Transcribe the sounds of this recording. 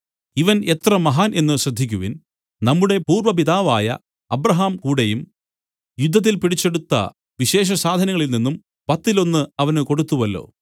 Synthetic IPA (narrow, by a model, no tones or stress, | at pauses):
iʋɐne̞t̪rɐmɐɦaːnʔe̞nːɨɕrɐd̪ʱːikʲːuʋin | nɐmːuɽe̞puːrʋɐp̬iðaːʋaːjɐ̰ | ɐbrɐɦaːmkuːɽejum | jud̪ʱːɐt̪̬ːilpiɽit͡ɕːe̞ɽut̪ːɐ̰ | ʋiɕe̞ːɕ̬ɐsaːd̪ʱɐnɐŋːɐɭilninːum | pɐt̪ːilo̞nːɨɐʋɐnɨko̞ɽut̪ːuʋɐlːo̞̰ː